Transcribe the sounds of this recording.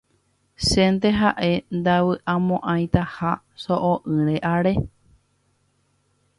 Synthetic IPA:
sẽnt̪eɦaʔe̞nd̪awɨʔãmõʔãj̃t̪aha | soʔoʔɨ̃ɾeʔaɾe̞

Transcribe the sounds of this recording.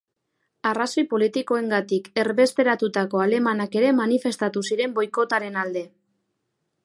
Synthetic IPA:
araso̞jpo̞lit̪iko̞e̞ŋɡat̪ike̞rβe̞st̪e̞ɾat̪ut̪ako̞ale̞manake̞ɾe̞manife̞st̪at̪usiɾe̞mbo̞jko̞t̪aɾe̞nald̪e̞

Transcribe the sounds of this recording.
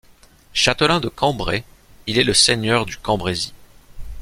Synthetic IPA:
ʃat̪əlɛ̃d̪əkɑ̃bʁe | ilɛləseɲœʁd̪ykɑ̃bʁezi

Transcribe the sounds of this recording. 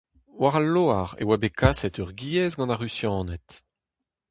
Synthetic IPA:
waʁalːoːaʁḛwabekʰasɛt̪œʁɡiɛzɡɑ̃naʁysjɑ̃ːnɛt̪

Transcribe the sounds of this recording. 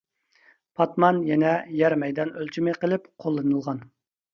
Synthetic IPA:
pʰɑt̪mɑnjɛnɛjæɾmɛjd̪ɑnølt͡ʃʰimɪqəlˠɪpqʰolˠːɨnɨlˠʁɑn

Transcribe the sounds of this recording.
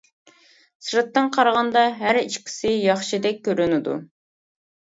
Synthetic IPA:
sɾɨt̪ːɨŋqʰɑɾʁɑnd̪ɑɦæɾiʃkʲʰi̥sɪjɑχʃid̪ɛk̚ʲːøɾynɪd̪ṵ

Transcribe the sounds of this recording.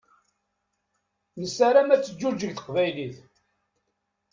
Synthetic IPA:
nəsaɾamæt͡sːəd͡ʒːud͡ʒːəɡθə̥qvæjliθ

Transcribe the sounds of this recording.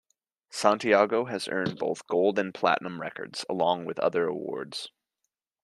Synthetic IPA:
sæ̃ntiɑɡoʊɨzɜ̰̃˞nboʊθɡ̥oʊlˠdɨ̃npʰl̥æ̰ʔnə̃mɹɛkə̰˞dz̥ə̰lɔ̃ŋwɪðʌ̰ðə˞ə̰wɔ̰ɹdz̥

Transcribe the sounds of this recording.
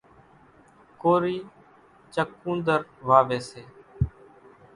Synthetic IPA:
koːɾiː | t͡ʃəkːũːnd̪əɾʋaːʋeːseː

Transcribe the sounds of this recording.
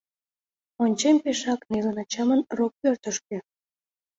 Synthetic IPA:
onʲt͡ɕemʲpeʃɑknilənɑt͡ɕɑmənrok̚ːørt̪əʃkĕ

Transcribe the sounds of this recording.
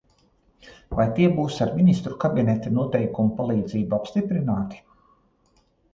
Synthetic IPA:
vajt̪iɛbuːsaɾminist̪ɾukabinɛt̪anuɔt̪ɛjkumupalˠiːd̪ziːbuapst̪ipɾinaːt̪i̥

